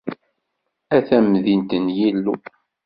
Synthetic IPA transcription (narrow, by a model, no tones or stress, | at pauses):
æθæmðint̪ənjilːu